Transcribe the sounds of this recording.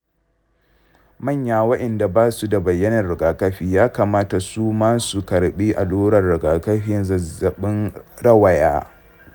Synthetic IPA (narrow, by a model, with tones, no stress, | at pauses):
mɐ˦˨ɲjaː˨wɐ˦ɗɛ˨nda˨baː˦su˦da˨bɐ˨jːɐ˦nɐ˨rɽɪ˨ɡaː˨kɐ˦ɸiː˦jaː˦kaː˨maː˦ta˨suː˦maː˦su˨kɐ˨ɽɓiː˦ʔa˨loː˦ɽɐ˨rːɪ˨ɡaː˨kɐ˦ɸɪ˦nzɐ˨zɐ˨ɓɪ˦nɾɐ˦wɐ˨jaː˦